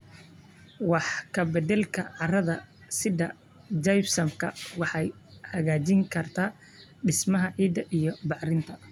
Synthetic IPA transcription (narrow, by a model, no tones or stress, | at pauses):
wɑħkʰɐbɛd̪ɛlkʰɐʕɑrɐðɐsɪðɐ | d͡ʒɐjfsɐmkʰɐwɑħɑj | hɐɣaːt͡ʃɪŋkʰɐrt̪ʰaː | ɖɪsmɐɦɐʕiːd̪ɐʔijɞbɑħrɪnt̪ʰɐ